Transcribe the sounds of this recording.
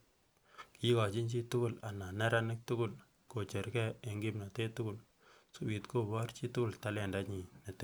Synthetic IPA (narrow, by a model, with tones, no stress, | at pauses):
ki˦ka˨t͡ʃi˦nt͡ʃi˦tʊ˦kʊ˦˨la˨na˨nɛ˦ɾa˦nɪ˦k̚tʊ˦ɡʊ˦l | ko˨t͡ʃe˨ɾkɛ˦e˨ŋɡi˦mna˨te˦tʊ˦kʊ˨l | su˦bi˨tko˦bɔ˦ɾt͡ʃi˦tʊ˦kʊ˦lta˦lɛ˨nda˦ɲi˨ne˨t